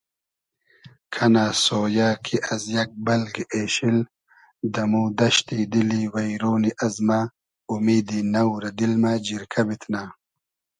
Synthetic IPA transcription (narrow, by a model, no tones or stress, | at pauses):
kʰɐnaːsoːjaːkʰiʔɐzjɐk̚bɐlɡeːɕil | d̪ɐmud̪ɐʃt̪id̪iliwɐjɾoːniʔɐzma | umiːd̪inɐwɾɐd̪ilmaːd͡ʑiɾkʰɐbit̪naː